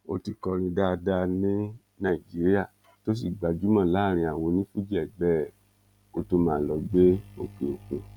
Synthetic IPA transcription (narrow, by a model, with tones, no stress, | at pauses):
o˧ti˧kɔ˧ɾ̃ĩ˧da˦˧da˧nĩ˦ | nã˦˨i˨d͡ʒi˨˦ɾi˦a˦˨ | to˦s̬i˦˨ɡ͡ba˨d͡ʒu˦mã˦˨la˨˦˨ɾ̃ĩ˧a˨wo˧nĩ˦fu˦d͡ʒɛ˦˨ɡ͡bɛː˦˨ | o˧to˧mãː˨˦˨lɔ˨˦ɡ͡be˦o˦˨ke˨o˨kũ˨